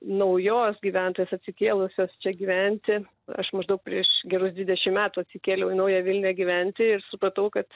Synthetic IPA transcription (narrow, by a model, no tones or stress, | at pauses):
nɐʊjoːsɡʲiːʋʲænt̪oːjeːsɐtʲsʲɪkʲeːlˠʊsʲoːst͡ʃʲɛɡʲiːʋʲɛnʲt̪ʲɪ | ɐ̰ʃmɐʒd̪ɐʊk̚pʲɾʲiɛʃɡʲɛɾʊsd̪ʋʲɪdʲɛʃʲɪmmʲæːt̪uːɐt̪ʲsʲɪkʲeːlʲɛʊɪnɐʊjæːʋʲɪlʲnʲæːɡʲiʋʲɛnʲt̪ʲɪɪɾsʊpɾɐt̪ɐʊkɐt̪